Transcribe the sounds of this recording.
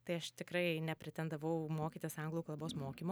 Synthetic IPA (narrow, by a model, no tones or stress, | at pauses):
t̪ɐɪɐʃt̪ʲɪkɾɐɪnʲɛpʲɾʲɪt̪ʲɛnd̪ɐʋɐʊmoːkʲiːt̪ʲɪsɐŋɡlˠuːklˠɐboːsmoːkʲimoː